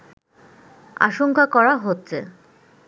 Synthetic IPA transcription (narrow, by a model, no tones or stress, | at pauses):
a̰ʃoŋkakɔɾaɦotːɕʰe